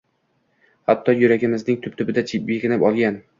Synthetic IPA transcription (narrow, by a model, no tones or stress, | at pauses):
hat̪ʰːɒjʊɾaɡʲɪmɪznɪŋt̪ʰʊp̚t̪ʰʊbɪd̪at͡ʃʰip̚beɡʲɪnɪpɒlˠɡʲan